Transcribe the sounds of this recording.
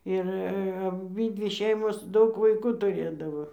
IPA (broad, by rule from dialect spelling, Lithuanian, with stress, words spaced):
ɪr ɐˈbʲiːdʲʋʲɪ ˈʃʲɛɪmoːs ˈdɐʊk ʋɐɪˈkuː tʊˈrʲeːdɐʋoː